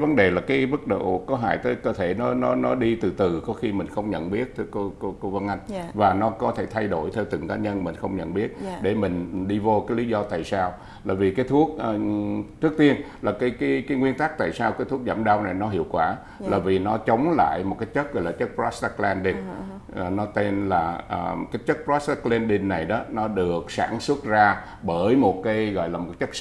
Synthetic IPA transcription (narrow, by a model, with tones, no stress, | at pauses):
jvə˨˦nɗe˨˩laː˨˩kaː˨˦jvə˦˥t̚ɗo̰˧˨kɔ˨˦ɦa̰ː˧˨jt̪əː˨˦jkəː˧t̪ʰe˧˩nɔ˨˦nɔ˨˦nɔ˨˦ɗi˧t̪ɨ˨˩t̪ɨ˨˩kɔ˨˦xi˧mï˨˩ŋ̟xə˧wŋ͡mɲə̰˧˨nɓi˦˥ət̚t̪ʰko˧ko˧ko˧və˧nʔa˧jŋ̟vaː˨˩nɔ˨˦kɔ˨˦t̪ʰe˧˩t̪ʰa˧jɗo˧˩jt̪ʰɛ˧wt̪ɨ˨˩ŋkaː˨˦ɲə˧nmï˨˩ŋ̟xə˧wŋ͡mɲə̰˧˨nɓi˦˥ət̚ɗe˧˩mï˨˩ŋ̟ɗi˧vo˧kaː˨˦jli˨˦zɔ˧t̪a̰ː˧˨jsaː˧w | la̰ː˧˨˩jvi˨˩kaː˨˦jt̪ʰu˦˥ək̚ːt͡ɕɨ˦˥ək̚t̪i˧ənlaː˨˩kaː˨˦jka˨˦kaː˨˦jŋwi˧ənt̪aː˦˥k̚t̪a̰ː˧˨jsaː˧wkaː˨˦t̪ʰu˦˥ək̚za̰ː˧˩mɗa˧wna˨˩jnɔ˨˦ɦḭ˧˨əwkwaː˧˩ | laː˨˩vi˨˩nɔ˨˦t͡ɕə˨˦wŋ͡mla̰ː˧˨jmo˨˩kaː˨˦jt͡ɕə˦˥t̚ɣɔ̰˧˨laː˨˩t͡ɕə˦˥t̚pɾɔ˦˥sta˧klɛ˧nt̪i˧k̚ː | nɔ˨˦t̪e˧nlaː˨˩ʔəː˨˩kaː˨˦jt͡ɕə˦˥t̚pɾɔ˦˥sklɛ˧nɗi˧nːa˨˩jɗɔ˨˦nɔ˨˦ɗɨ˨˩ək̚sa̰ː˧˩nswə˦˥t̚zaː˧ | ɓəː˧˩jmo˨˩t̚kaː˨˦jɣɔ̰˧˨jlaː˨˩mo˨˩˦t͡ɕə˦˥k̚